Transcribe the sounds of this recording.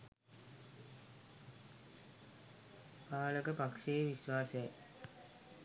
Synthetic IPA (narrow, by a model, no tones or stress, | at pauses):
paːləkəpakʂejʋiʃʋaːsəja